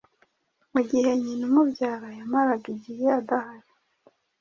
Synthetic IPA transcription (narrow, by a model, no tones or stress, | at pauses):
muɟihe̞ɲinumubɟaːɾajamaɾaɡiɟiheadahaɾi